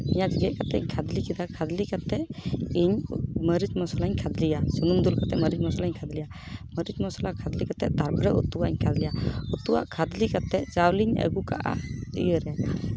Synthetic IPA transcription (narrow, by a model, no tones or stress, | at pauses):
iɲad͡ʒiɡɛʔ̚kat̪ɛ̰ɲkʰad̪likid̪akʰad̪likat̪ɛʔiɲməɾit͡ʃmɔsɔlaɲkʰad̪lijasunumd̪ulkat̪ɛməɾid͡ʒmɔsɔlaɲkʰad̪lija | məɾid͡ʒmɔsɔlakʰad̪likat̪ɛt̪aɾbɾɛʔut̪ːuwaʔɲkʰad̪lijaut̪ːuwa̰ʔkʰad̪likat̪ɛʔt͡ʃawliɲə̰ɡuka̰ʔa̰t̪ḭjəɾɛ